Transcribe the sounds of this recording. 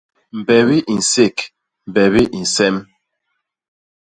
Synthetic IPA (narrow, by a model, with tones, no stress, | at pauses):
m̩˨bɛ˨βi˦ʔi˨n̩˨se˦˨k | m̩˨bɛ˨βi˦ʔi˨n̩˨sɛ˦m